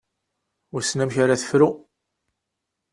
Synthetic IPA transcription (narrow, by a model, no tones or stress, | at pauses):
ʊsnæmçaɾaθə̥fɾu